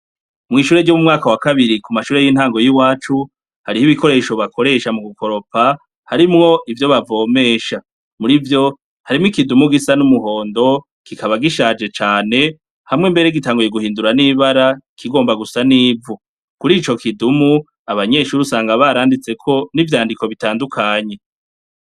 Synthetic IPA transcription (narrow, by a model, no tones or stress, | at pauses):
mŋiːʃuːɾe̞ɟomumŋaːkawakaβiɾikumaʃuːɾe̞jin̥haːŋɡo̞jiwaːt͡ʃu | haɾihiβiko̞ɾe̞ːʃo̞βakʰo̞ɾe̞ːʃamuɡukʰo̞ɾo̞pa | haɾimŋo̞ʔivjo̞βavo̞ːme̞ʃa | muɾivjo̞ | haɾimŋikidumuɡisanumuɦo̞ːndo̞ | kikaβaɡiʃaːd͡ʒe̞t͡ʃaːne̞ | hamŋembe̞ɾeɡitaːŋɡuje̞ɡuhiːnduɾaniβaɾaikʰiɡo̞ːmbaɡusaniːvu | kuɾiːt͡ʃo̞kʰidumu | aβaɲe̞ʃuːɾiusaːŋɡaβaɾaːndit͡se̞kʰo̞nivjaːndiko̞βitaːndukʰaːɲe̞